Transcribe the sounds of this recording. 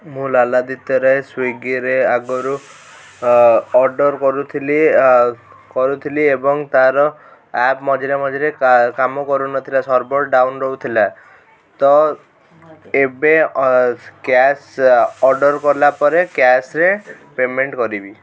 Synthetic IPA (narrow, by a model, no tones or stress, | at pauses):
mũlalad̪it̪ɔɾɔeswiɡiɾeaɡɔɾu | ɔɾɖɔɾkɔɾut̪ʰili | kɔɾut̪ʰiliebɔŋt̪aɾɔ | ɛpmɔd͡ʒɾemɔd͡ʒɾekamɔkɔɾunɔt̪ʰilasɔɾbɔɾɖawnɾɔut̪ʰila | t̪ɔ | ebe | kɛsɔɾɖɔɾkɔɾlapɔɾekjasɾe | pemeɳʈkɔɾibi